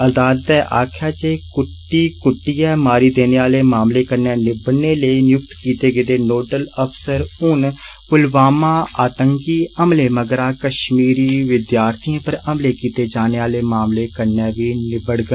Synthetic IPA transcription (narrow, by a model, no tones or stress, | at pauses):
əd̪aːlət̪ɛːʔaːkʰjaːd͡ʒeːkʊʈːiːkʊʈːiːɛːmaːɾiːd̪eːneːaːleːmaːmleːkəɾnɛːnɪbəneːləiːnjʊkt̪kiːt̪eːɡəd̪eːnoːʈələpʰsəɾʊnpʊlʋaːmaːaːt̪əŋkiːəmleːməɡɾaːkəʃmiːɾiːʋɪd̪jaːɾt̪ʰiãːpəɾəmleːkiːt̪eːd͡ʒaːneːaːleːmaːmleːkəɾnɛːʋiːnɪbəɽɡə